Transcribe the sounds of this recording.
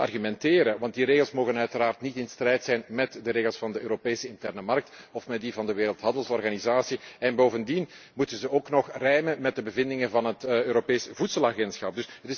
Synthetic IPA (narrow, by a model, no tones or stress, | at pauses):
ɑ̰rɣymɛnteːɾəʋɑnt̚diɾeːɣəlˠsmoːɣənœɥtəɾaːrtnitɪnstrɛjtsɛjnmɛtdəɾeːɣəlˠsfɑndəøːɾopeːsəɪntɛrnəmɑrk̚tɔfmɛt̚divɑndəʋeːɾəlˠtɦɑndəlˠsɔrɣanizaːsiɛnboːvəndinmutənzəoːknɔxrɛjmənmɛt̚dəbəvɪndɪŋənvɑnɦətøːɾopeːsvutsəlˠaɣɛntsxɑp̚dɵsətɪs